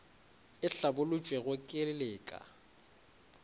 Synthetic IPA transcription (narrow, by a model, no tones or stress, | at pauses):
ɪɬabʊlʊt͡ʃʼweɣʊkʼɪlɪleːkʼa̰